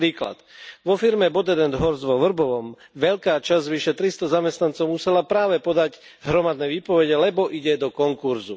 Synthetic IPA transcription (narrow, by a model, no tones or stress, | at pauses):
ɾiːkla̰t̪ʋɔfiɾmɛbɔd̪ɛd̪ɛnd̪ɦɔɾzʋɔʋr̩bɔʋɔm | ʋɛʎkaːt͡ʃazʋiʃɛt̪ɾist̪ɔzamɛst̪nant͡sɔʊmusɛlapɾaːʋɛpɔd̪aɟ | ɦɾɔmad̪nɛːʋiːpɔʋɛɟɛlɛbɔʔiɟɛd̪ɔkɔŋkuɾzu